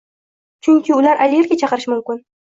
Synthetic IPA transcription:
t͡ʃʰʊŋʲkʲɪʊlaɾʔalʲɪjeɾɡʲat͡ʃʰɑqɨɾɪʃmʊmkʲɪn

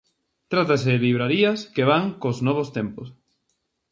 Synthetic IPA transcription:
t̪ɾat̪aseliβ̞ɾaɾiɐskeβaŋkoznɔβ̞ost̪empʊs

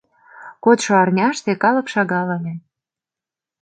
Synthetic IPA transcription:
kot̪ʃoɑrnʲɑʃt̪ekɑlɤ̆kʃɑɣɑlɤ̆lʲĕ

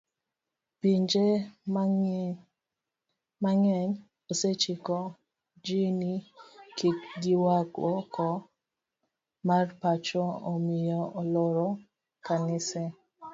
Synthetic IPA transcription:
piɲd͡ʒe | maŋɛɲ | oset͡ʃɪkɔ | d͡ʒinikikɡiwaɡɔkɔ | marpat͡ʃɔomɪjɔʔɔlɔɾɔ | kanɪsɛ

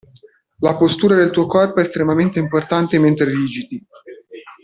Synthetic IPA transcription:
lapost̪uːɾad̪elt̪uːokɔrpoɛːst̪ɾemament̪eimport̪ant̪ement̪ɾeɾiːd͡ʒit̪i

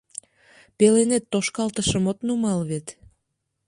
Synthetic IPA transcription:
pelenet̪ːoʃkɑlt̪əʃəmot̪numɑlβet̪

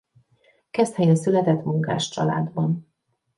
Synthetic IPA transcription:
kɛst̪hɛjnsylɛt̪ɛt̪muŋka̰ːʃt͡ʃɒ̰la̰ːd̪bɒn

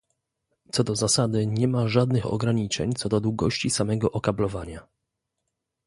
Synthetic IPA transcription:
t̪sɔd̪ɔzasad̪ɘɲɛmaʐad̪̚nɘxɔ̰ɡɾaɲit͡ʂɛ̰ɲt̪sɔd̪ɔd̪wuɡɔɕt͡ɕisamɛɡɔʔɔkablɔvaɲa

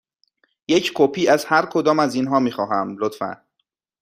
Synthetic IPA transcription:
je̞cʰkʰopʰiːæzhæɾkʰod̪ɒːmæziːnɦɒːmiːxɒːɦæmlot̪fæ̰n

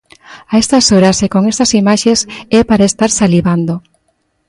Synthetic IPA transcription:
aest̪asoɾasekoŋest̪asimaʃesɛpaɾaest̪aɾsaliβand̪o

